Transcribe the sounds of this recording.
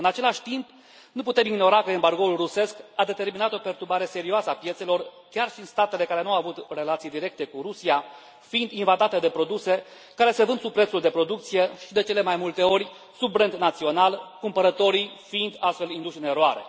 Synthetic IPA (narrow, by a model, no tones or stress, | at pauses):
ɨnat͡ʃe̞laʃʲt̪imp | nuput̪e̞miɡno̞ɾakəembarɡo̞ulruse̞skad̪e̞t̪e̞rminat̪o̞pe̞rt̪ubaɾe̞se̞ɾioasəapje̞t̪se̞lo̞r | kʲarʃiɨnst̪at̪e̞le̞kaɾe̞nuawavut̪re̞lat̪sijd̪iɾe̞k̚t̪e̞kuɾusia | find̪invad̪at̪e̞d̪e̞pɾo̞d̪use̞ | kaɾe̞sevɨnd̪supɾet̪suld̪epɾo̞d̪uk̚t̪sije̞ʃid̪e̞t͡ʃe̞lemajmult̪e̞o̞ɾʲ | subɾentd̪nat̪sio̞nalkumpəɾət̪o̞ɾifiind̪ast̪fe̞lind̪uʃɨne̞ɾoaɾe̞̰